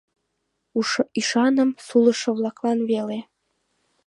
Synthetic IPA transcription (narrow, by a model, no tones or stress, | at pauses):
uiʃɑnə̆msulɤ̆ʃɤ̆βlˠɑklˠɑnβele